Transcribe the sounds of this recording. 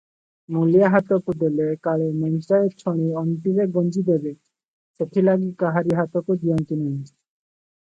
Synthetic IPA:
mulijaɦat̪okud̪elekaɭemɔnsaeɾt͡ʃʰoɽ̃iɔnt̪iɾeɡond͡ʑid̪ebe | seʈʰilaɡikaɦaɾiɦat̪okud͡ʒijɔnt̪inen

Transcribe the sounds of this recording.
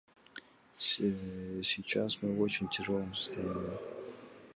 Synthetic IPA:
sʲit͡ɕasmɨot͡ɕɪnʲtʲɪʐolˠəmsə̥st̪ɐjimə

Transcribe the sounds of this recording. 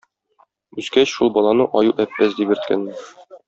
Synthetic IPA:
ʉzkæɕʃulˠbɒlˠɑnɤʔɒjuʔæpːæsd̪ibɘ̆ɾt̪̚kæ̰nmɘ

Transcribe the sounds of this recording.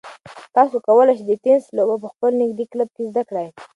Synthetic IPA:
t̪ɑsokawəlaʃd̪ət̪enslobap̬əxpəlnɪɡd̪ikləb̚kezd̪akɽaj

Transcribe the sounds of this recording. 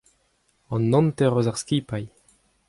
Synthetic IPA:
ɑ̃nːɔ̃nt̪ɛʁøzaʁskiːpaj

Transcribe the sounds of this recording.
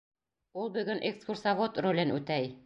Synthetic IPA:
ulˠbɵ̆ɡɵnʔekskursavot̪rolʲɘnʔʉt̪æj

